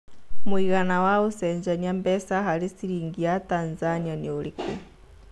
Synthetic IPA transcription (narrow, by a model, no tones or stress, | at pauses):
muiɣanawausɛnd͡ʒaniambɛsaɦalisiɾiŋɡiat̪anzanianiuliku